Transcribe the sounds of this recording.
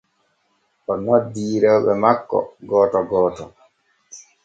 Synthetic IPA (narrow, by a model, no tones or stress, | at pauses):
ʔɔnɔdiːɾɛwɓɛmakːɔ̰ɡɔːtɔɡɔːtɔ